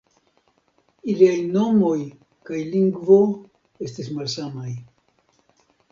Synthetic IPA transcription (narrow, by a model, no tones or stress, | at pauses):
iliajno̞mo̞j | kajliŋɡvo̞ | e̞stismalsamaj